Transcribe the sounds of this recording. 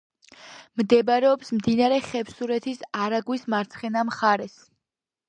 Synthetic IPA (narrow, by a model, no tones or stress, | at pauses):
md̪ɛbɾɛɔpsmd̪inaɾɛχɛpsuɾɛt̪ʰisaɾaɡwismaɾt̪sʰχɛnamχaɾɛs